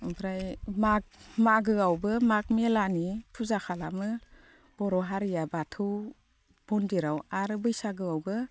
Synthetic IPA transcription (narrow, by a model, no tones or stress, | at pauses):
bɾajmak̚maɡɯawbɯmak̚melanipʰuzakʰalamɯ | b̥ɔɾɔɦaɾijabatʰɯw | b̥ɔndiɾawaɾɯbɯjsaɡɯawbɯ